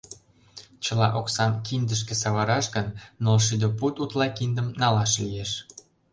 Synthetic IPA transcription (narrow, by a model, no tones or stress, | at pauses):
t͡ɕəlɑʔoksɑmkʰind̪əʃ̬kĕsɑβɑɾɑʃɣənːolʃ̬yd̪əput̪ut̪lɑkind̪əmnɑlɑʃlijeʃ